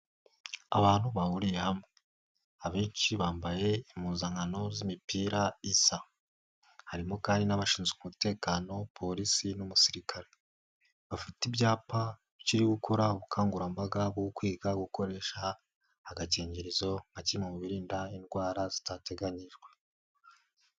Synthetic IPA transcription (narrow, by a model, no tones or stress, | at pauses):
a̰βaːn̥huβaβuɾijehamŋe | aβeːɲt͡ʃiβaːmbaje̞imuːnzaŋano̞zimipiːɾaisa | haɾimo̞kaːndinaβaʃiːnzekumute̞ːkaːno̞pʰo̞ɾisinumusiɾikʰaɾe | βafitibɟaːpa | ciɾiɡukʰo̞ɾaoβukʰaːŋɡuɾambaɡabɡokwiːɡaɡuko̞ɾe̞ʃaː | ɡaceːɲɟeɾizo̞ŋɡacimumuβiɾiːndainɡwaːɾazi̥tate̞ɡaɲiʒɡwe